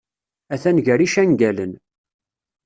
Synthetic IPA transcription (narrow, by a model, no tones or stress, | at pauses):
æθænʝəɾiʃæŋɡælən